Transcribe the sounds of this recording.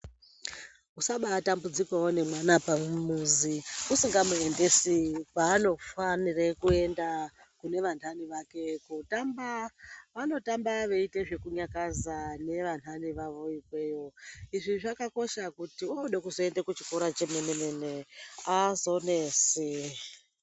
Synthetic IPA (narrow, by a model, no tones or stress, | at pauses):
usaɓatambud͡zikwawone̞mwanapamumuziusiŋɡamue̞nde̞sipaːno̞fanirekue̞nda | kune̞ʋan̤aniʋake̞kutambaʋano̞tambaʋe̞ite̞ʐe̞kuɲakazane̞ʋan̤aniʋaʋo̞ikwe̞jo̞iʐiʐakako̞ʃakutiooɗekuzo̞e̞ndekut͡ʃi̥koɾat͡ʃe̞me̞nemeneazo̞nesi